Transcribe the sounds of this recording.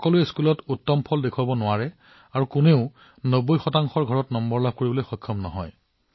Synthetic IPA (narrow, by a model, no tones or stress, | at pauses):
ɔkɔluɛskulɔtutːɔmpʰɔldekʰwabɔnʊaɹɛ | aɹukʊneʊ | nobojxɔtaŋxɔɹɡʱɔɹɔtnɔmbɔɹlab̚ʱkoɹibɔlojxɔkʰːɔmnɔ̰ɦɔ̰j